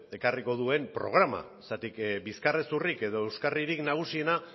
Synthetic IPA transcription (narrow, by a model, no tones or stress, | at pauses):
e̞kariko̞ð̞ue̞mpɾo̞̰ɣ̞ɾama̰ | sat̪ikbiskaresurike̞ðo̞e̞wskariɾiknaɣ̞usie̞na